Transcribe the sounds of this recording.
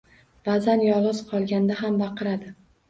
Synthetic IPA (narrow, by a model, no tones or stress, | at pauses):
bazanjɒlˠʁɨz̥qʰɒlˠɡʲand̪aɦambɑqʰɨɾad̪ɪ